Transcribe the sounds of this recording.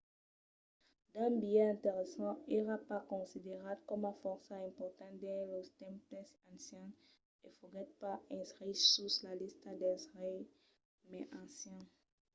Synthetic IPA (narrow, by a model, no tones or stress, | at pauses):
d̪ɛ̃bijɛɛ̃t̪eʁesɑ̃eʁapakɔ̃sid̪eʁablkɔmafɔʁsaɛ̃pɔʁt̪ɑ̃d̪ɛ̃lost̪ɛ̃mplɛsɑ̃sjɛ̃ | efoɡɛt̪̚paɛ̃skχisuslalist̪ad̪ɛ̃sʁij | mɛʔɑ̃sjɛ̃